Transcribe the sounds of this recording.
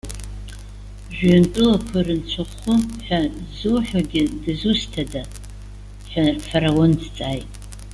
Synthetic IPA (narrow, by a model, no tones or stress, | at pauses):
ʒᶣantʼʊlakʷʰarɨnt͡ɕʷʰaχʷʊħʷᶣazuħᶣaɡʲɪdɨzustʰada | ħʷᶣarfaɾawonzt͡sʼaːjtʼ